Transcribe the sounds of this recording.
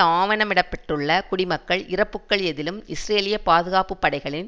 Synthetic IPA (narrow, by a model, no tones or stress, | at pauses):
aːʋɐnɐmɪɽɐpːɛʈrɯɭːɐkʊɽɪmɐkːɐɭʔɪrɐpːɯkːɐɭɛðɪlɯmɪsɾeːlɪjɐpaːðɯɣaːpɯpːɐɽɐɪɣɐɭɪn